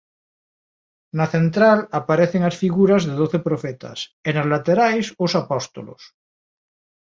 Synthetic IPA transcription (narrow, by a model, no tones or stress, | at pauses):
naθent̪ɾalapaɾeθeŋasfiɣuɾazðeð̞oθepɾofɛt̪ʰa̰senazlat̪eɾajsosapɔst̪o̰lo̰s